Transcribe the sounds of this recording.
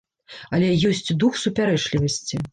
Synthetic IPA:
ɐlʲɛjɔsʲt͡sʲd̪uxsupʲaɾɛt͡ʂlʲivɐsʲt͡sʲi

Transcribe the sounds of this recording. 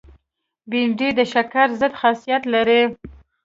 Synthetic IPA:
binɖid̪əʃakaɾzəd̪xasijat̪laɾe

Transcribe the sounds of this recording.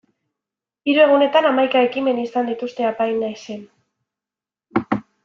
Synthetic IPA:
iɾue̞ɣ̞une̞t̪anamajkae̞kime̞nisand̪it̪ust̪e̞apajnːajse̞n

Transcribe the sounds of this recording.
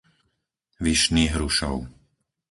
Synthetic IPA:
ʋiʃniːɦɾuʃɔ̰ʊ

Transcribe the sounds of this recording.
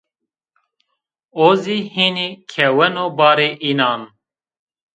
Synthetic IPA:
oːziːhiːnikʰɛwɛnoːbɑːɾeːʔiːnɑːn

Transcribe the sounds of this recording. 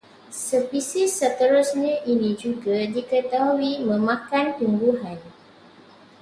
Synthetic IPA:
səpisɪsːət̪əɾʊsɲãʔinĩd͡ʒuɡadikət̪aɦwimə̃mãkant̪umbuɦan

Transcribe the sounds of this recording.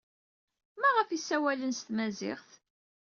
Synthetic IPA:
mæʁəfisæwælənst̪mæzɪ̰χθ

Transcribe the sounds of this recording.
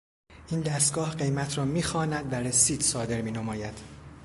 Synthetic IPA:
ʔiːnd̪æst̪ɡ̥ɒːhɢe̞jmæt̪ʰɾɒːmiːxɒːnæd̪væɾesiːd̪̥sɒːd̪e̞ɾmiːnomɒːjæd̪̥

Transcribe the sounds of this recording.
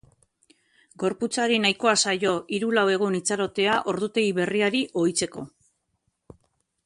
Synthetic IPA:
ɡo̞ɾput͡saɾinajko̞asajo̞ʔiɾulawe̞ɣ̞unit͡saɾo̞t̪e̞aʔo̞ɾðut̪e̞ɣiβe̞riaɾiʔo̞jt͡se̞ko̞̰

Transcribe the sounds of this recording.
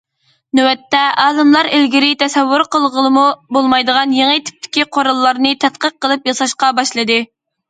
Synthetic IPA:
nuwɛt̪ːɛʔɑːlˠɨmlˠɑɾɪlɡʲiɾɪt̪ʰɛsɛwːuɾqəlˠʁəlˠɨmubolˠmɑjd̪əʁɑnjeŋət̪ʰi̥p̚t̪ʰɪ̥kʲiqʰoɾɑlˠːɑɾnɨt̪ʰɛt̪̚qəq̚ːəlˠɨpjɑsɑʃqɑbɑʃlˠɨd̪ɨ

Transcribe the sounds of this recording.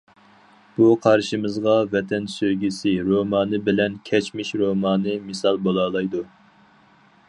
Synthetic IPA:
b̥uqʰɑɾʃimɨzʁɑvɛt̪ʰɛnsøjɡʲisɪɾomɑːnɨbɪlɛnkʲʰɛt͡ʃmɪʃɾomɑːnɨmɨsɑlˠbolˠɑːlˠɑjd̪u

